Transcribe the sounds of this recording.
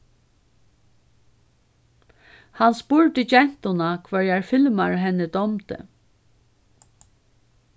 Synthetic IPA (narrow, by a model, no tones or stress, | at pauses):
hanspuːɹt̪ɪt͡ʃɛn̥t̪ʊnakʰvœɹjaɹfɪlmaɹɦɛnːəd̪ɔmt̪ə̰